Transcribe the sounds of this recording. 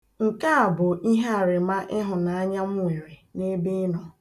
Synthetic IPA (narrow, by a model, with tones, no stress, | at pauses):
ŋ̩˨ka˦a˨bʊ˨i˦ɦe˦a˨ɾɪ˨ma˦ʔɪ˦ɦʊ˨na˨a˦ɲa˦m˦u˦˨i˨we˨ne˦bi˦ɪ˦nɔ˨